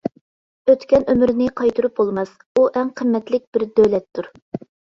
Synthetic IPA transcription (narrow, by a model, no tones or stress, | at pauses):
øt̪kʲɛnømɾnɪqʰɑjt̪uɾup̚bolˠmɛs | uʔæŋqʰəmːɛt̪lɪk̚ʲb̥ɪɾd̪øwlɛt̪ʰːuɾ